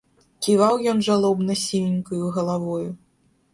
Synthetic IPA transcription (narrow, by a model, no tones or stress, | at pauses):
kʲivawjɔnʐalˠɔbnɐsʲilʲinʲkujuɣɐlˠavɔju